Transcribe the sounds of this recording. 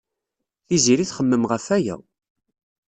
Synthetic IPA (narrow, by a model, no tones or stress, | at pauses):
θiziɾiθχəmːəmʁəfæjæ̰